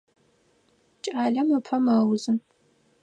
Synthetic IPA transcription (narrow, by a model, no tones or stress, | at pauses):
t͡ʃʼaːɮɐmɨpʰɐmɐwzɨn